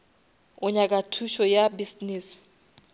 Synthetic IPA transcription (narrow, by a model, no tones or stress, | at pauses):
ɔɲak̬ʼatʰuʃɔjabisniːs